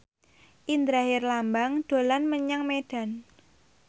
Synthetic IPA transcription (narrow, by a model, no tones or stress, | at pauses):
ʔind̪ɾaɦɪrlambaŋd̪̥o̤lanməɲaŋmeɖ̥a̤n